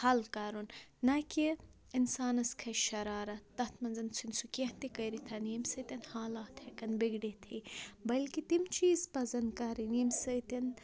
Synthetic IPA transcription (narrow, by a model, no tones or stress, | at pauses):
hɐlkɐɾunːɐki | insaːnɐskʰɐʃɐɾaːɾɐɐt̪ʰmɐnzɐnt͡sʰunsukeɦt̪ikɐjɾit̪ʰɐniːmsɐt̪ɐnhaːlaːt̪ʰɐkɐnbiɡɖit̪ʰiːbɐlkit̪imt͡ʃiːzpɐzɐnd̪kɐɾiniːmsɐjt̪in